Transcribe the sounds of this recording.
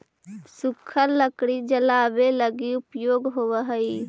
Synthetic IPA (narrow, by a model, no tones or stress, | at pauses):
sukʰəɾləkɽid͡ʒəlabeləɡiupjoːɡɦowəɦəi